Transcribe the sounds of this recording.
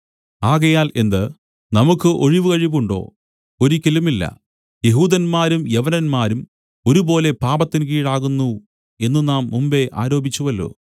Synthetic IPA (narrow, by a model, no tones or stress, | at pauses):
aːɣɐjaːle̞nd̪ɨ | nɐmukːɨʔoɻiʋɨkɐɻiʋuɳɖo̞̰ː | oɾikʲːɐlumilːɐ̰ | jeɦuːd̪ɐnmaːɾumjeʋɐnɐnmaːɾum | o̞ɾubo̞ːle̞paːbɐt̪ːink̬iːɽaːɣunːu | e̞nːunaːmːumbe̞ʔa̰ːɾo̞ːbʱit͡ɕːuʋɐlːṵ